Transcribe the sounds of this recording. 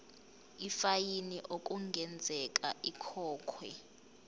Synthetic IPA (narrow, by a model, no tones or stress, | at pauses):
ifajiniʔokʼuŋɡʱɛnd͡zʱɛk̬ʼa̰ʔikʰɔːkʰwɛ̰